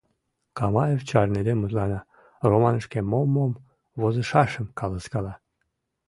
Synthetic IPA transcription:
kɑmɑevt͡ɕɑrned̪emuzlɑnɑ | romɑnəʃkemomom | βozəʃɑʃəmkɑlɑskɑlɑ

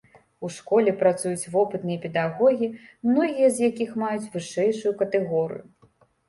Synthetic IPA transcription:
uʂkɔlʲɛpɾat̪sujut͡sʲvɔpɨt̪nɨjɐpʲɛd̪aɣɔɣʲimnɔɣʲijɐzjakʲixmajut͡sʲvɨʂɛjʂujukɐt̪ɛɣɔɾɨ̰ju

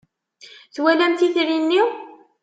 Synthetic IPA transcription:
θwælæmt̪iθɾinːiw

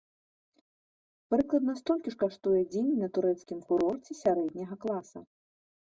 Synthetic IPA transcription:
pɾɨklˠɐd̪nɐst̪ɔlʲkʲiʂkaʂt̪ujɛd͡zʲenʲnɐt̪uɾɛt̪skʲimkuɾɔrt͡sʲɛsʲaɾɛd̪ʲnʲɐɣɐklˠasɐ

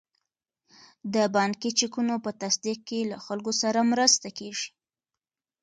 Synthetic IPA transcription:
d̪əbɑŋkit͡ʃikunopət̪asd̪iq̚kelaxalɡosaɾamɾəst̪akeʒi̥

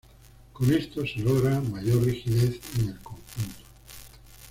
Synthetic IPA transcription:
ko̞ne̞st̪o̞se̞loɣ̞ɾamaʝo̞rrixiðe̞θe̞ne̞lkõ̞ŋxunt̪o̥

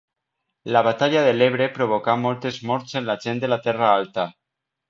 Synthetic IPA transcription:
laβat̪aʎaðeleβ̞ɾepɾoβ̞okamɔlˠt̪ezmɔɾt͡senlaʒend̪elat̪ɛraalt̪a

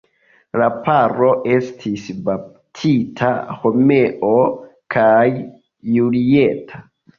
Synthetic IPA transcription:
lapaɾo̞ʔe̞stʰisba | tʰitʰa̰ho̞me̞ʔo̞kʰajː | ulietʰa

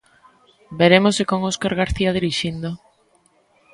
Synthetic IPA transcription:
beɾemosekoŋoskaɾɣaɾθiað̞iɾiʃind̪o

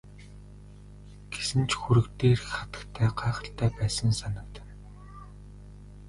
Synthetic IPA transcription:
ɡ̥esɘ̆nt͡ɕxuɾɘ̆kt̪eːrχat̪ə̥̆kt̪ʰæːɢaːχə̆ɬt̪ʰæːpæːsə̆nsanə̆k̚t̪̆n

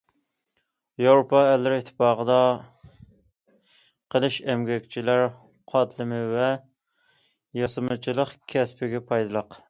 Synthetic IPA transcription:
jɑwɾopʰɑɛlːɪɾɪɪt̪ʰːɪ̥pɑːʁəd̪ɑ | qʰəlˠɨʃɛmɡʲɛkʲt͡ʃʰilæɾ | qʰɑt̪lɨmɪvɛ | jɑsɨmɨt͡ʃʰilˠəqkʲʰɛspɪɡʲɛpʰɑjd̪ɨlˠəq

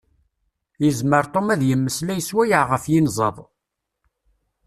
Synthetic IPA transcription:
jəzməɾt̪ˤomæðjəmːəslæjəswæjəʕʁəfjinzˤəðˤ

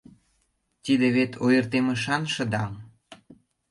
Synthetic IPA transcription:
t̪id̪eβet̪ʰojə̆rt̪eməʃɑnʃə̆d̪ɑm

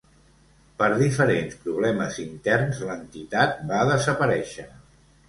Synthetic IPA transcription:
pəɾðifəɾenspɾuβ̞lɛməzint̪ɛrnzlənt̪it̪at̪̚baðəzəpəɾɛʃə

